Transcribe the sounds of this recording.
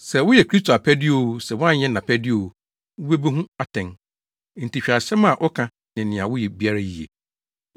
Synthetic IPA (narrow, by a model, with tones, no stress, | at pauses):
sɛ˨wʊ˦jɛ˨kʰɾi˦s̬tʰo˨a˨pʰæ˦dɪ˦o˦˨wu˦sɛ˨wʊ̃˦ã˦ɲ˦ɛ̃˦nã˨pʰæ˦dɪ˦o˨wu˨ | ʊ˦be˦be˦ɦũ˦a˨tʰɛ̃˨n˦ | n̩˨ti˨ɕᶣa˨ɕɛ˦mã˨ʔɔ˦kʰã˨ | nɪ̃˨nɪ̃˨ã˨wʊ˦jɛ˨bi˦a˦ɾa˦ji˨ḛ˨